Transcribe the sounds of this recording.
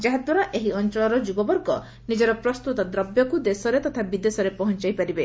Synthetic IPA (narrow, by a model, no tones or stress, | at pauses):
d͡ʒaɦad̪waɾaʔeɦiɔnt͡ʃɔlɔɾɔd͡ʒubɔbɔɾɡɔ | nid͡ʒɔɾɔpɾɔst̪ut̪ɔd̪ɾɔbjɔkud̪esɔɾet̪ɔt̪ʰabid̪esɔɾepɔɦɔnt͡ʃajpaɾibe